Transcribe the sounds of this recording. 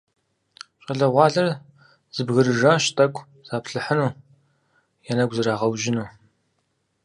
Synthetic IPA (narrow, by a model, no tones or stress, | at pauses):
ɕʼɐɮɐʁʷɑːɮɐr | z̥ɨbɣɨrɨʒaːʃtʰʼɐkʷʰʼ | z̥aːpʰɬɨħənuː | jɛnɐɡʷzɨɾaːʁɐwʒɪnuː